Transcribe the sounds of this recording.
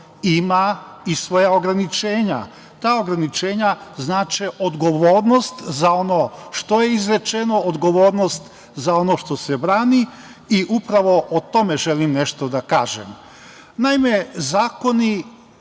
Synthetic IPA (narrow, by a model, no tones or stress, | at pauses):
imaisʋo̞jaoɡɾanit͡ʃeːɲa̰ | t̪aːoɡɾanit͡ʃe̞ːɲaznaːt͡ʃɛʔod̪ɡo̞ʋoːɾnost̪zao̞no̞ʃt̪o̞je̞izɾe̞t͡ʃeno̞od̪ɡo̞ʋo̞ːɾno̞st̪ | zao̞no̞ʃt̪o̞sebɾaːni | iʔupɾaʋo̞ʔot̪o̞meʒe̞limne̞ʃt̪o̞d̪aka̰ːʒḛm | naime̞zaːko̞ni